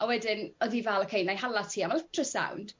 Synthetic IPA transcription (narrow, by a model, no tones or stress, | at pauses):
awɛdɪnɔðivɛlɔkʰejnajɦalˠatʰiːamalɛtʰrəsa̰wnd̥